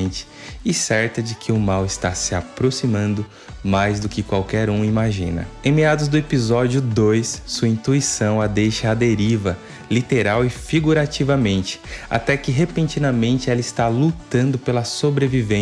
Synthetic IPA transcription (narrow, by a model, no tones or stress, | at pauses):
nt͡ʃɪ̥ | ɪsɛɾt̪ɐd͡ʒɪkʰɪʊmawɪst̪asɪapɾosimɐ̃nd̪ʊ | majzd̪ʊkɪkwawkɛɾũimaʒḭ̃nɐ̰ẽmiad̪ʊzd̪ʊepizɔd͡ʒiʊd̪ojsːuɐĩnt̪uisɐ̃w̃ɐd̪ejʃɐad̪eɾivɐ | lit̪eɾawɪfiɡuɾat͡ʃivɐmẽnt͡ʃɪ̥a̰t̪ɛkɪɦepẽnt͡ʃĩnɐmẽnt͡ʃɪɛlɐɪst̪alut̪ɐ̃nd̪ʊpelɐsobɾevivẽ